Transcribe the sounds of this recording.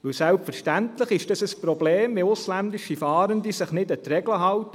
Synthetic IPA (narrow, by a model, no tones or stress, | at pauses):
ʋɵwsælpfəɾʃtæntləχɪʃd̥ɑsəspɾɔbleːmʋɪʊslændiʃifɑːɾənd̪isɪχnɪdət̪ɾɛɡləɦɑwt